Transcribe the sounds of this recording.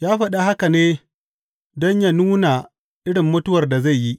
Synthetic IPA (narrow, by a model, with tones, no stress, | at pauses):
jaː˦ɸɐ˦ɗa˦ha˦ka˨neː˦ | dɔ˦ɲja˦nuː˦na˨ | ʔɪ˦ɽɪ˨mːʊ˦tʊ˦wɐ˨rda˨za˦˨jji˦ʔ